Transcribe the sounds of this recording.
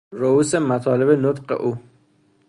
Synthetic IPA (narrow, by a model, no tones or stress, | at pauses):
ɾouːsemæt̪ʰɒːle̞benot̪qḛʔuː